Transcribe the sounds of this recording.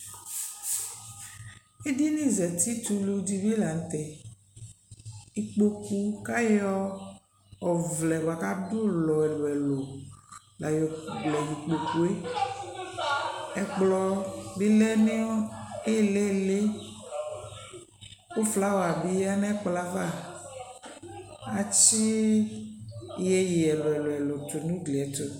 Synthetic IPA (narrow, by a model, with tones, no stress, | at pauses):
e˦di˦nĩ˦zɛ˨t̪i˦t̪u˦le˨u˨˦di˦vi˦la˨n̩˨t̪ɛ˨ | i˨k͡po˦ku˦ka˦jɔ˦ | ɔ˨vlɛ˨ba˨ka˦du˦lɔ˨ɛ˨lo˨ɛ˨lo˨ | la˨jɔ˨ɡ͡blɛ˨ji˨k͡po˨ku˦e˦ | ɛ˨k͡plɔ˦bi˦lɛ˦ne˦ɔ˦e˦˨le˦˨le˦ | o˦fla˦wo˨a˨bi˨ja˦nɛ˦k͡pla˦va˦˨ | a˨t͡ʃi˦˨ | jɛ˦ji˨ɛ˨lo˨ɛ˨lo˨ɛ˨lo˨to˨nũ˦ɡli˨ɛ˨˦to˦